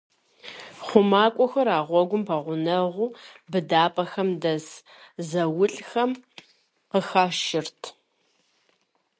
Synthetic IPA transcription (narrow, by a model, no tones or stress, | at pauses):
χʷʊmaːkʷʼɔxɐɾaːʁʷɔɡʷʊmpʰɐʁʷʊnɐʁʷʊːbɨdaːpʼɐxɐmdɐz | zɐwʊɬʼxɐm | qəxaːʃɪrtʰ